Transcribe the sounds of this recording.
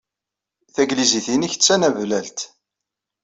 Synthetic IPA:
θæɡliziθiniçə̥t͡sːænævlælt̪

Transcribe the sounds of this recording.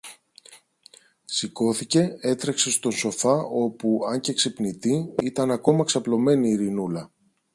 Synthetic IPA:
siko̞θice̞e̞t̪ɾe̞kse̞st̪o̞so̞fɐo̞puɐɲceksipnit̪iit̪ɐnɐko̞mɐksɐplo̞me̞niːɾinulɐ

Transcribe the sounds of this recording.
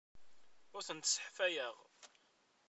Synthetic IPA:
ʊɾθənt̪sə̥ħfæjəʁ

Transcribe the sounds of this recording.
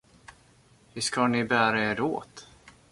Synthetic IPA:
hɪskanɪbæːɾaeːɾo̰ːt̪

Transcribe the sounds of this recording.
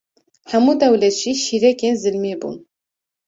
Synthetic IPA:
hɛmuːd̪ɛwlɛt̪ʒ̥iʃiːɾɛkʲeːnzɨlmeːbṵːn

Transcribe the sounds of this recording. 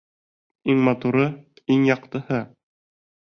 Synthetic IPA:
iŋmɑt̪uɾɤ | iŋjɑqt̪ɤ̆hɤ

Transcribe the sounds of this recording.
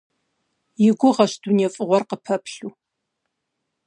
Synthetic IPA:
jɪɡʷʊʁɐʃduneɛfʼɨʁʷɔrqəpʰɐpɬuː

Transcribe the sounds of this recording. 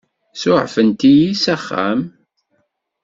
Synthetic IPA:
sʊʕfənt̪ijisæχːæ̰m

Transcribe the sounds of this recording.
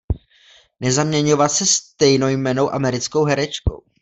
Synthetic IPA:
nɛzamɲɛɲo̞vat̪sɛst̪ɛjno̞wjmɛno̞wʔamɛɾɪt͡sko̞wɦɛɾɛt͡ʃko̰w

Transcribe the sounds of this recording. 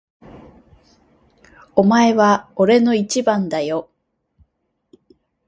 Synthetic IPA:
o̞mae̞βaoɾe̞no̞it͡ɕibãnd̪ajo̞

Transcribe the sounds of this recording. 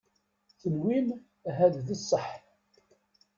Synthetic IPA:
θənwin | ɦæððəsˤːəħ

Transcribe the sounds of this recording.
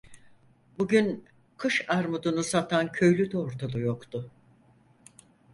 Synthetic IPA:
buɟyn | kʰɯʃaɾmud̪unusat̪ʰancʰø̞jlʲyd̪ɛoɾt̪ʰalˠujokt̪ʰʊ

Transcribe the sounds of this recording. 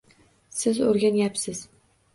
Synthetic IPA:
sɪzoɾɡʲanjapsɪz

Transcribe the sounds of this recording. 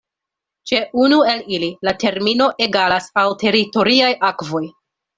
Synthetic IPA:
t͡ʃe̞ʔunue̞lililate̞ɾmino̞ʔe̞ɡalasawte̞ɾito̞ɾiajʔakvo̞j

